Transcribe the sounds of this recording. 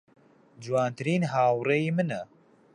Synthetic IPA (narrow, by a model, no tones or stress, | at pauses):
d͡ʒuwaːnt̪ɨɾiːnɦaːwrejiːmɨnɛ